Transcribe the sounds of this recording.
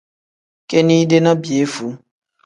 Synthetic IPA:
ke˦ni˦de˦na˦bje˨˦fu˨˦

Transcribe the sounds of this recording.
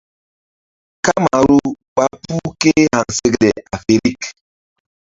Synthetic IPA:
ka˦ma˨ɾu˦ | ɓa˦pu˦ke˦ha˨nse˦kɗɛ˨a˨fe˨ɾi˦k

